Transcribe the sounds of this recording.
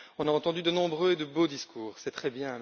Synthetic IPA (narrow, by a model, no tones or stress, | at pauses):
ɔ̃naɑ̃t̪ɑ̃d̪yd̪ənɔ̃bʁøed̪əbod̪iskʰuːʁsɛt̪χɛbjɛ̃